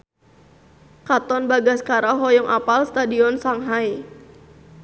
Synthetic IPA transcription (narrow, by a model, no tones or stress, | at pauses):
kat̪ɔnbaɡaskaɾaɦɔjɔŋʔapalst̪adiɔnsaŋɦaj